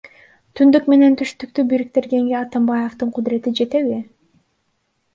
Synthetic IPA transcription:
t̪ʰynd̪ykme̞ne̞nt̪ʰyʃt̪ykt̪ybiɾik̚t̪e̞ɾɡe̞ŋɡeɑt̪ambɑjeft̪ɯɴqʰʊd̪ɾe̞t̪id͡ʒe̞t̪e̞βi

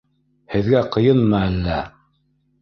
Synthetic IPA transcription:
hɘ̆ðɡæqɤ̆jɤnmɑælːæ

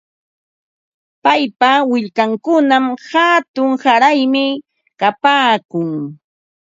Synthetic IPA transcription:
pajpawɪʎkaŋkʊnamhat̪ʊŋsaɾajmɪ | kapaːkʊŋ

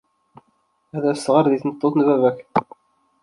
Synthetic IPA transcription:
æðæsʁəɾðiθnət̪ˤːoθnvævæç

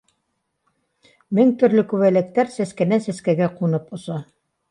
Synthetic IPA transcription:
mɘŋt̪ɵ̆ɾlɵkʉβælɘ̆k̚t̪æɾsæskænænsæskæɡæqunɤpŏsɑ

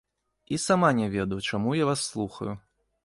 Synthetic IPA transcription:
isamanʲɛvʲɛd̪ɐjt͡ʂamujavasːlˠuxɐ̰ju

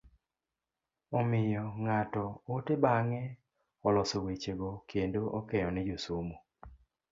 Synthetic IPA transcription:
ɔmɪjɔŋatɔotebaŋɛ | ɔlɔsowet͡ʃeɡɔkʰendoʔɔkɛjɔnɛd͡ʒosomo

